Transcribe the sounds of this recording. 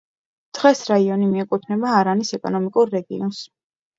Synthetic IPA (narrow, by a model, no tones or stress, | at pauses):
d̪̥ʁɛsɾaiɔnimiɛkʼut̪ʰnɛbaːɾanisɛkʼɔ̰nɔmikʼuɾːɛɡḭɔns